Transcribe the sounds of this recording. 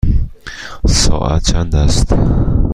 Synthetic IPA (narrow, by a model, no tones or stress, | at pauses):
sɔ̰ːʔa̰t̪̚t͡ʃʰand̪ast̪